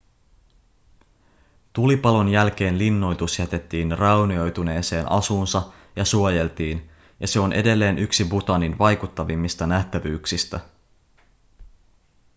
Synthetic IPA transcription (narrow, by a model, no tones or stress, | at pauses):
t̪ulipɑlo̞njælk̟e̞ːnlinːo̞jt̪usjæt̪e̞t̪ːiːnrɑwnio̞jt̪une̞ːse̞ːnɑ̰suːnsɑ | jɑsuoje̞lt̪iːn | jɑse̞o̞nʔe̞de̞lːe̞ːnʔyksibut̪ɑninʋɑjkut̪ːɑʋimːist̪ɑnæht̪æʋyːksist̪æ